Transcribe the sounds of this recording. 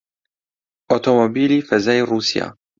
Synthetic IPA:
ʔot̪omobiːlifazaːjɾuːsja̰

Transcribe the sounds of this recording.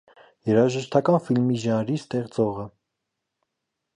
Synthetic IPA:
jɛɾɑʒəʃt̪ʰɑkɑnfilmiʒɑnɾist̪ɛʁt͡sɔʁə

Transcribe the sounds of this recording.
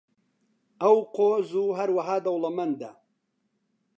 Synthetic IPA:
ʔɐwqoːzuːɦɐɾwɐɦaːd̪ɐwlɐmɐnd̪ɐ̰

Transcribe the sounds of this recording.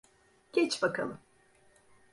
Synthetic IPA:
ɟ̥ʲɛt͡ʃbakʰalˠɯm

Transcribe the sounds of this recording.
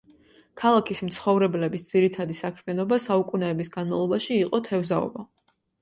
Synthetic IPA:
kʰalˠakʰismt̪sχɔvɾɛblɛbisd̪z̥iɾit̪ʰad̪isakʰmianɔbasaukʼunɛːbisɡanmavlˠɔbaʃiːqʼɔt̪ʰɛvzaɔ̰ba

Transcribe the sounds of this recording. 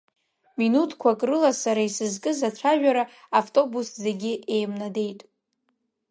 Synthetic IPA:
minutʰkʷʰakʼrɨlasaɾaisɨzkʼɨzat͡ʃʷʰaʒᶣaɾa | aftʼo̞busze̞ɡʲɪʔe̞jmnade̞jtʼ

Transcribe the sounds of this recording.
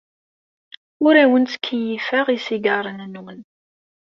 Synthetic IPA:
ʊɾæwənt͡skʰːijifæʁisiɡɑɾˤənnwən

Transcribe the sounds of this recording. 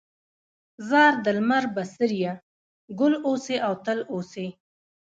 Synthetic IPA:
zɑɾd̪əlmaɾbasəɾja | ɡʊloseʔawt̪əlose

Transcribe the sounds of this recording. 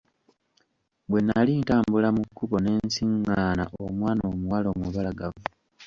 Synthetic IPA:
bwe̞nalintaːmbulamukʰːuβo̞ne̞ːnsiŋɡaːna̰ʔomwaːnoːmuwaloːmuβalaɡavu

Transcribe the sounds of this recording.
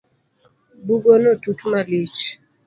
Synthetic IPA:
buɡonotutmalit͡ʃ

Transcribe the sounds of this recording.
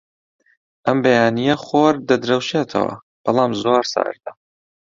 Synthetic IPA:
ʔɐmbɐjaːnijɐχoːɾd̪ɐd̪ɾɐwʃeːt̪ʰɐ̰wɐ̰ | b̥ɑlˠɑːmzoːɾsa̰ːɾd̪ɐ

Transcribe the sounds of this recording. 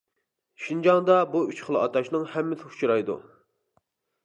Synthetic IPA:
ʃind͡ʒɑŋd̪ɑbuyt͡ʃχəlˠɨɑt̪ʰɑʃnɨŋhɛmːɪsɪu̥t͡ʃʰɾɑjd̪ṵ

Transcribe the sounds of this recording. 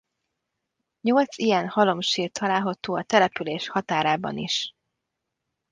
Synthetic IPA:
ɲo̞lt̪sijɛnhɒlo̞mʃiːrt̪ʰːɒlaːlɦɒt̪oːɒt̪ɛlɛpyleːʃhɒt̪aːɾaːbɒ̰niʃ

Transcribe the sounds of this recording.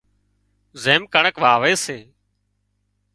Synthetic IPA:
zeːmkəɳəkʋaːʋeːseː

